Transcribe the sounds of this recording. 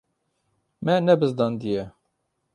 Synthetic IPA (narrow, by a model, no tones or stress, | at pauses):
mɛnɛbɨzd̪ɑːnd̪ijɛ